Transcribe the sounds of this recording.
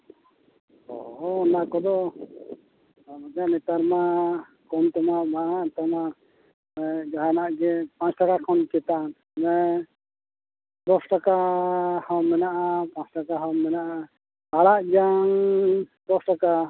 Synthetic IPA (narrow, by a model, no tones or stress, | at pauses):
ɔ̰ɦɔnakɔd̪ɔ | bad͡ʒaʔnɛt̪aɾma | kɔmt̪ɔmabaaʔt̪ɔma | ɛd͡ʒaɦanaʔɡɛpãt͡ʃʈakakʰɔnkɛt̪an | mɛ | d̪ɔsʈakahɔmːɛnaʔapãt͡ʃʈakaɦɔmːɛnaʔa | aɽaʔd͡ʒaŋd̪ɔsʈaka